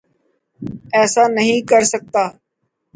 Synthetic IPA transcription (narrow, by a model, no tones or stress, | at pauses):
ɛːsaːnəɦĩːkəɾsək̚t̪aː